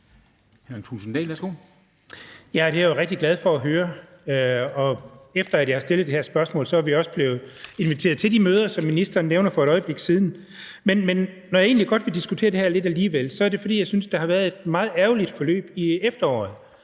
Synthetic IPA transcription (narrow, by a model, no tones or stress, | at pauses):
hænt͡sʰusn̩d̥ɛ̰ːlʋæɐsɡ̥o̝̰ | jɑ̈ɐdeæjoʁɛɡ̥̚d̥iɡlæð̞ˠfɒ̽ːɦøːɐ | øɒ̽efd̥ɐædjɑ̈hɑ̈sd̥elð̩ˠd̥e̝hæɐ̰sb̥ɶɐsmɔ̰̽ːlsɒ̽æʋiɒ̽sb̥le̝ːʊe̝nʋit͡sʰe̝ːɐð̞ˠt͡sʰe̝ld̥imøːð̞ˠɐsɒ̽mːinisd̥ɐːnːeʊnɐfɒ̽eɾɒ̽ɪəb̥le̝ɡ̥siːð̞ˠn̩ | menmenː | ɒjɑ̈e̝ːnliɡ̥ɒ̽d̥ʋe̝d̥isɡ̥ut͡sʰe̝̰ːɐd̥ehæɐle̝d̥æliːʋelsɒ̽æɐɾ̥e̝fɒ̽d̥ḭːjɑɪsynsd̥ɑ̈hɑ̈ʋæɐð̞̩ˠe̝d̥mɑ̈ːð̞̩ˠæɐʊlid̥fɒ̽lø̰ːb̥iefd̥ɐɒ̰ːð̩ˠ